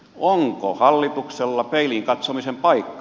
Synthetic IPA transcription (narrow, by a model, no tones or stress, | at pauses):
oŋko̰hɑlːit̪ukselːɑpeiliŋkɑt̪somisempɑikːɑ̥